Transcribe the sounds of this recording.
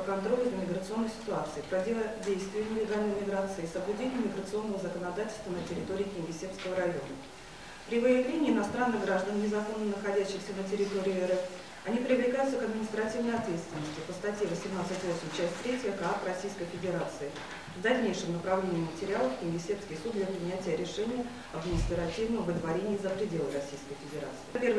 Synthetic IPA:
kɐnt̪ɾo̞lʲɪzɨmʲɪɡɾət̪sɨo̞nːəjsʲɪ̥t̪ʊat̪sɨɪpɾɐdʲelˠədʲejst̪vʲɪɪnʲɪlʲɪɡalʲnəjmʲɪɡɾat̪sɨɪsəblʲʉdʲenʲɪjəmʲɪɡɾət̪sɨo̞nːəvəzəkənɐd̪atʲɪlʲst̪vənətʲɪɾʲɪt̪o̞ɾʲɪːkʲɪnʲɡʲɪsʲepskəvəɾɐjo̞̰nə | pɾʲɪvəjɪvlʲenʲɪːɪnɐst̪ɾanːɨɣɡɾaʐd̪ənnʲɪzɐko̞nːənəxɐdʲæɕːɪxsʲənətʲɪɾʲɪt̪o̞ɾʲɪʊɛɾɛf | ɐnʲipɾʲɪvlʲɪkajʊt̪səkɐd̪mʲɪnʲɪst̪ɾɐtʲivnəjɐt̪vʲe̞t̪st̪vʲɪnːəsʲtʲɪpəst̪ɐtʲjevəsʲɪmnat̪sɨtʲvosʲmʊmt͡ɕæsʲtʲt̪ɾʲetʲjəkaaprɐsʲijskəjfʲɪdʲɪɾat̪sɨɪ | vd̪ɐlʲnʲejʂɨmnəpɾɐvlʲenʲɪjəmətʲɪɾʲɪalˠəfkʲɪnʲɡʲɪsʲe̞pskʲɪjsud̪d̪lʲɛpɾʲɪnʲætʲɪjəɾʲɪʂɛnʲɪjə | ɐd̪mʲɪnʲɪst̪ɾɐtʲivnəmvɨd̪vɐɾʲenʲɪjəzəpɾʲɪdʲe̞lˠəɾɐsʲijskəjfʲɪdʲɪɾa̰t̪sɨ̥ɪpʲerv

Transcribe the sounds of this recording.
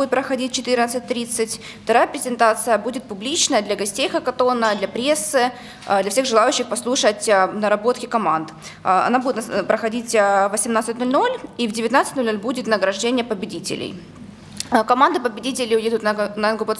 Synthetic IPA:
ɪt̪̚pɾəxɐdʲit̚ʲt͡ɕɪt̪ɨrnət̪sɨt̚ʲt̪ɾʲit̪sɨtʲ | ft̪ɐɾajəpʲɾʲɪzʲɪnt̪at̪sɨjəbudʲɪt̪̚pʊblʲit͡ɕnəjəd̪lʲɐɡɐsʲtʲejxəkɐt̪o̞nəd̪lʲɐpɾʲesːɨ | d̪lʲɐfsʲe̞ɣʐɨlˠajʉɕːɪxpɐslˠuʂətʲnəɾɐbo̞t̪kʲɪkɐmand̪ | ɐ̰nabudʲɪt̪npɾəxɐdʲitʲvəsʲɪmnat̪sɨtʲnolʲno̞lʲivdʲɪvʲɪt̪nat̪sɨtʲnolʲnolʲbudʲɪt̪nəɡɾɐʐdʲenʲɪjəpəbʲɪdʲitʲɪ̰lʲɪ̰j | kɐmand̪ɨpəbʲɪdʲitʲɪlʲɪʊjed̪ʊt̪nəɨnɡkʊpə

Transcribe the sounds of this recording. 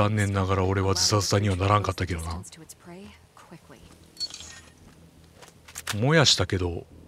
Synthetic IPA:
ãnːẽ̞nːaɡaɾao̞ɾe̞βad͡zɨsad͡zɨ̥saɲ̟iβanaɾãŋkat̪ːake̞ɾo̞na | mo̞jaɕi̥t̪ake̞d̪o̞

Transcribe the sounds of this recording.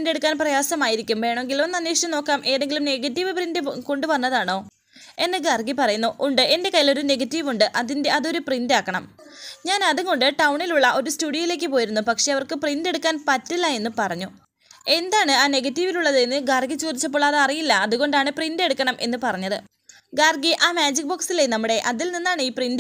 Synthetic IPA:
nde̞ɽukːaːnprɐjaːsɐmaːjiɾikʲːumʋe̞ːɳɐme̞ŋɡilonːɐnːeːʂt͡ɕɐmno̞ːkːaːmʔe̞ːðeŋɡilumne̞ɡɐtːiʋɨprindɨko̞ɳɖɨʋɐnːɐðaːɳo̞ː | e̞nːɨɡɐrɡipɐrɐjunːuʔːɳɖɨe̞nde̞kɐjilo̞ɾune̞ɡɐtːiʋuɳɖɨʔɐðinde̞ɐðo̞ɾuprindaːkːɐɳɐm | ɲaːnɐðuŋɡo̞ɳɖɨʈɐwɳiluɭːɐʔo̞ɾustuːɽijɐjile̞ːk̬ːɨpo̞ːjiɾunːupɐkʂe̞ɐʋɐrkɨprinde̞ɽukːaːnpɐtːilːɐe̞nːupɐrɐɲːu | e̞nd̪aːɳɨaːne̞ɣɐtːiʋiluɭːɐðɨenːɨɡaːrɡit͡ɕoːd̪it͡ɕːɐp̬ːo̞ːɭɐðɨɐrijilːɐɐðuɣo̞ɳɖaːɳɨprinde̞ɽukːɐɳɐmʔe̞̰nːɨpɐrɐɲːɐðɨ | ɡaːrɡiʔaːmaːd͡ʑik̚boːksilenɐmːuɽe̞ʔɐðilninːaːɳɨiːprind

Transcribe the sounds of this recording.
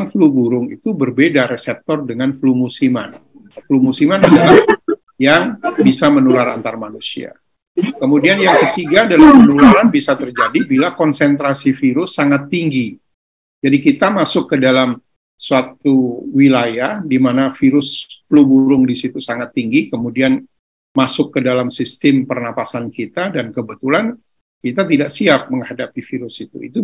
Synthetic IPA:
ŋflubuɾʊŋḭt̪ubərbedaɾesɛp̚t̪ɔrdəŋanflumusima̰n | flumusimanadalah | jaŋbisamənulaɾa̰nt̪armanusia̰ | kəmudianjaŋkət̪iɡadalampənulaɾanbisat̪ərd͡ʒadibilakɔnsɛnt̪ɾasifiɾʊsːaŋat̪ːiŋɡi | d͡ʒadikit̪amasʊkːədalam | suat̪̚uwilajahdimanafiɾʊsplubuɾʊŋdisit̪usaŋat̪ːiŋɡikəmudian | masʊkːədalamsist̪ɪmpərnapasankit̪adankəbət̪ulan | kit̪at̪̬idaʔsiap̚məŋhadapifiɾʊsit̪ṵḭt̪u

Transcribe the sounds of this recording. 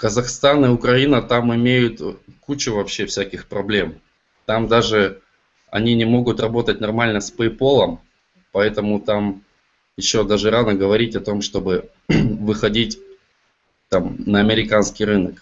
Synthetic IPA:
kəzɐxst̪anɨʊkɾɐinət̪amɪmʲejʊt̪kut͡ɕʊvɐpɕːe̞fsʲækʲɪxpɾɐblʲe̞m | t̪amd̪aʐɨ | ɐ̰nʲinʲɪmo̞ɡʊt̪rɐbo̞t̪ətʲnɐrmalʲnəspəɪpo̞lˠəm | pɐɛt̪əmʊt̪am | jɪɕːo̞d̪aʐɨɾanəɡəvɐɾʲitʲɐt̪o̞mʂt̪o̞bɨ | vɨxɐdʲitʲ | t̪amnɐɐmʲɪɾʲɪkanskʲɪjɾɨnək

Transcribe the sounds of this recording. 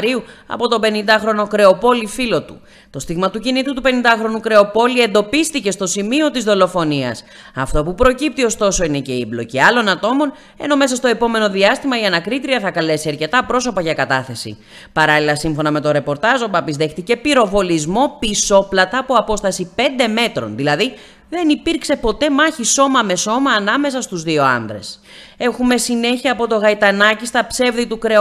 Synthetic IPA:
ɾiuɐ̰po̞t̪o̞be̞nind̪ɐxɾo̞no̞kɾe̞o̞po̞lifilo̞t̪u | t̪o̞st̪iɣmɐt̪ucinit̪ut̪upe̞nind̪ɐxɾo̞nukɾe̞o̞po̞lie̞nd̪o̞pist̪ice̞st̪o̞simio̞t̪izðo̞lo̞fo̞niɐ̰s | ɐft̪o̞pupɾo̞cip̚t̪io̞st̪o̞so̞ine̞ce̞iblo̞ciɐlo̞nɐt̪o̞mo̞n | e̞̰no̞me̞sɐst̪o̞e̞po̞me̞no̞ðiɐst̪imɐiɐnɐkɾit̪ɾiɐθɐkɐle̞siɐɾce̞t̪ɐpɾo̞so̞pɐʝɐkɐt̪ɐθe̞sḭ | pɐɾɐlilɐsiɱfo̞nɐme̞t̪o̞ɾe̞po̞ɾt̪ɐzo̞pɐpizðe̞xt̪ice̞piɾo̞vo̞lizmo̞piso̞plɐt̪ɐːpoɐpo̞st̪ɐsipe̞nd̪e̞me̞t̪ɾo̞̰nðilɐði | ðe̞nipiɾkse̞po̞t̪e̞mɐçiso̞mɐme̞so̞mɐːnɐme̞sɐst̪uzðio̞ɐ̰nd̪ɾe̞s | e̞xume̞sine̞çiɐːpo̞t̪o̞ɣɐit̪ɐnɐcist̪ɐpse̞vðit̪ukɾe̞

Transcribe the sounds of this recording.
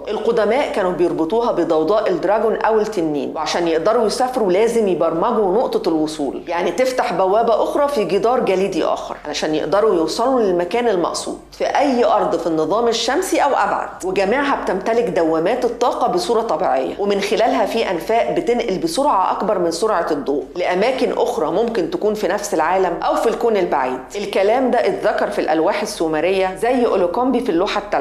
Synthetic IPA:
ʔelqod̪æmæːʔkæːnubejoɾˤbet̪ˤuːɦɑbed̪ˤɑwd̪ˤɑːʔeld̪ɾɑɡonʔæwelt̪enːḭːnweʕaʃæːnjeʔd̪ɑɾˤujesæːfeɾulæːzemjebɑɾˤmæɡunoʔt̪ˤɑlwosˤuːljaʕnit̪eft̪aħbæwːæːbæʔoxɾˤɑfiɡed̪ˤɑːɾˤɡæliːd̪iʔæ̰ːxɑ̰ɾˤʕa̰læʃæːnjḛʔd̪ɑɾˤujuwsˤɑlulelmækæːnelmɑ̰ʔsˤṵːd̪̥ˤfiʔæjːʔɑɾˤd̪ˤfinːɨðˤɑːmeʃːæmsiʔæwʔæ̰bʕa̰d̪̥weɡæmiːʕɦæb̚t̪æmt̪ælɪkd̪æwːæmæːt̪et̪ˤːɑːqɑbesˤuːɾˤɑt̪ˤɑbiːʕejːæ̰wʔemɪnxelæːlɦæfiːʔænfæːʔbet̪enʔelbesoɾʕɑʔɑkbɑɾˤmɪnsoɾʕɑd̪ˤːoːʔleʔæmæːkɪnʔoxɾˤɑmomkɪnt̪ækuːnfinæfselʕaːlæmʔæwfilkoːnelba̰ʕiːd̪̥ʔelkælæːmd̪æʔet̪ðækɑɾˤfilʔælwæːħesːumæɾejːæzæjːʔolokɑmbifilːoːħat̪ːæ

